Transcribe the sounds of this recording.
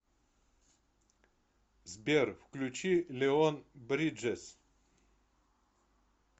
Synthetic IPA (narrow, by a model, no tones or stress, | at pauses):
zbʲerfklʲut͡ɕilʲeonbɾʲid͡ʒesʲ